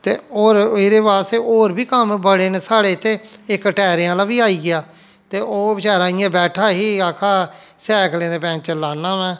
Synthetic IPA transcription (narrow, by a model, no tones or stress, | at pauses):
t̪ḛːoːɾeɾeːpaːst̪eːʔoːɾbiːkəmbəɽeːnesaːɽeːɪt̪ʰːeːɪkəʈɛːɾeãːlaːʋiːaːiːɡɪaː | t̪eːʔoːbɪt͡ʃaːɾãːɪjãːbɛːʈʰaːɦiːaːkʰaː | sɛːkʰlẽːd̪eːpɛ̃ːnt͡ʃəlːaːnːãːʋɛ̃ː